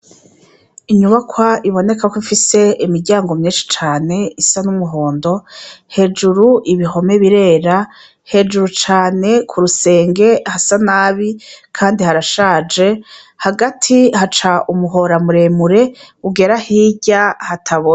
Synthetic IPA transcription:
iɲuβakwaiβo̞ne̞kakʷoifise̞imiɾɟaːŋɡo̞mɲiːnʃi̥t͡ʃaːne̞isanumuɦo̞ːndo̞he̞d͡ʒuɾuʔiβiɦo̞me̞βiɾe̞ːɾa | he̞d͡ʒuɾut͡ʃaːne̞kʰuɾuse̞ːŋɡe̞hasanaːβikʰaːndihaɾaʃaːd͡ʒe̞ | haɡatʰihat͡ʃaʔumuɦo̞ɾamuɾe̞muɾe̞ | uɡe̞ɾahiːɟahatʰaβo

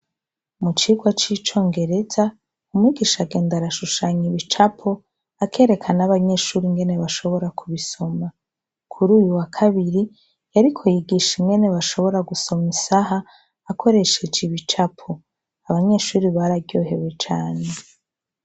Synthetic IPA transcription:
mut͡ʃiɡwat͡ʃit͡ʃo̞ːŋɡe̞ɾe̞za | umŋiːɡiʃaɡe̞ːndaɾaʃuʃaɲiβit͡ʃapʰo̞ | akʰe̞ːɾe̞kʰanaβaɲe̞ːʃuːɾiŋɡe̞ne̞βaʃo̞βo̞ɾakuβiso̞ma | kʰuɾuːjuwakʰaβiɾi | jaɾikʰo̞jiɡiʃiŋɡe̞ne̞βaʃo̞βo̞ɾaɡuso̞misaɦaː | kʰo̞ɾe̞ʃe̞d͡ʒiβit͡ʃapʰo | aβaɲe̞ːʃuːɾiβaɾaɟoːɦe̞we̞t͡ʃaːne

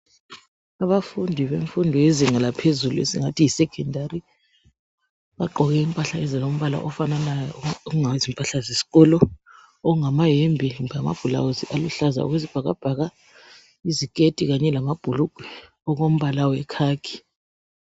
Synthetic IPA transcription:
aβafundʱiβeɱfundʱɔeziŋalapʰezuluḛsiŋatʰijisɛkʰɛndʱari | βaɡ͡ǃʱɔɣɛimpʼaɬaɛzilom̩βala̰ʔɔfananajɔuŋawezimpʼaɬazesi̥kʼɔlɔ | ɔuŋamajembʱiama̰b̥ʱula̰wuziʔaluɬaza̰ɔ̰ɣwezib̥ʱaɣa̰b̥ʱaɣa | izikʼetʼiɣaɲɛlamab̥ʱuluɡ̥ʱwɛ | ɔɣom̩βalawwɛkʰaːkʰi̥

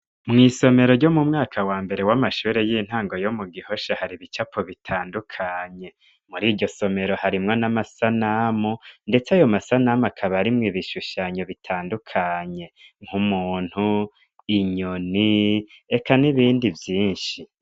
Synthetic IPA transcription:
mŋiːso̞me̞ɾo̞ɾɟomumŋaːkʰawaːmbe̞ɾe̞wamaʃuːɾejin̥haːŋɡo̞jomuɡiho̞ʃahaɾiβit͡ʃapʰoβitʰaːndukʰaɲe̞ | muɾiːɾɟo̞so̞me̞ɾo̞haɾimŋonamasanamonde̞t͡sajo̞masanamakʰaβaɾimŋiβiʃuʃaːɲoβitʰaːndukʰaɲe̞ŋ̥humuːn̥hu | iɲoniekʰaniβiːndivjiːnʃi

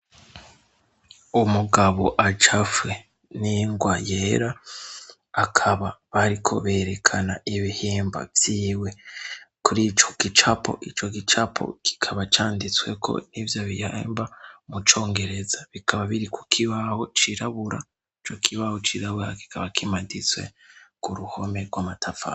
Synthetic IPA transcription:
umuɡaβo̞̰ʔat͡ʃafwe̞ | niŋɡwajeɾa | akʰaβaβaɾikʰo̞̰βe̞ːɾe̞kʰana̰iβihiːmba̰vjiːwe̞kuɾit͡ʃo̥ɡit͡ʃapʰo̞̰ʔit͡ʃo̞ɡit͡ʃapʰo̰ki̥kʰaβat͡ʃaːndit͡swe̞̰kʰo̞̰nivjoβihḛmbamut͡ʃo̞ːŋɡe̞ɾe̞zaβikʰaβaβiɾikukʰiβaho̞t͡ʃiɾaβuɾa̰ | it͡ʃo̞kʰiβahot͡ʃiɾaβuɾaki̥kʰaβakimadit͡swe̞̰kuɾuho̞me̞ɡwamatʰafa̰

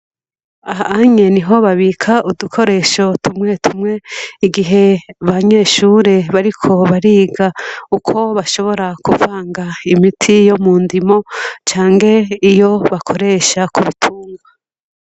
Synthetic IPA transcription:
aɦaaɲe̞niɦo̞βaβiːkʰaʔudukʰo̞ɾe̞ʃo̞tumŋe̞tumŋe̞iɡiɦe̞βaɲe̞ːʃuːɾe̞βaɾikʰo̞βaɾiːɡaukʰo̞βaʃo̞βo̞ɾakuvaːŋɡaimitʰijo̞muːndimo̞t͡ʃaːŋɡe̞ijo̞βakʰo̞ɾe̞ʃakʰuβitʰuːŋɡwa

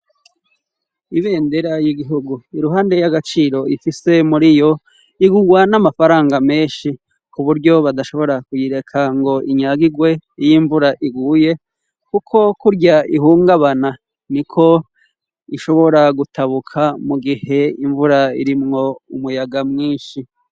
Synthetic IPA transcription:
iβe̞ːndeɾajiɡiɦuɡuiɾuɦaːnde̞jaɡat͡ʃiːɾo̞ifise̞muɾijo̞ | iɡuɡwanamafaɾaːŋɡame̞ːnʃi | kuβuɾɟo̞βadaʃo̞βo̞ɾakujiɾe̞kʰaŋɡo̞iɲaɡiɡwe̞ijiɱvuɾaʔiɡuːje̞ | kukʰo̞kuɾɟaihuːŋɡaβana | nikʰo̞ | iʃo̞βo̞ɾaɡutaβukʰamuɡihe̞iɱvuɾaiɾimŋo̞umujaɡamŋiːnʃi

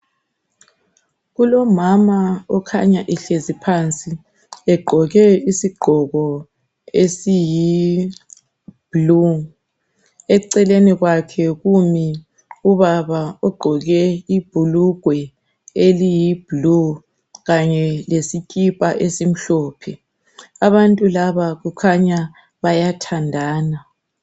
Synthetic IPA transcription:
ɣulɔmamaɔkʰaɲaʔɛɬezipʰaːnt͡sʼi | ɛɡ͡ǃʱɔɣɛisiɡ͡ǃʱɔɣɔ | esiji | b̥lu | ɛǀɛleniɣwakʰɛɣumi | uβaβaɔɡ͡ǃʱɔɣɛib̥ʱuluɡ̥ʱwɛ | elijib̥ʱlu | ɣaɲɛlesikʼipʼaʔesim̩ɬɔːpʰɛ | aβantʼulaβaɣukʰaɲa | βajatʰandʱaːna

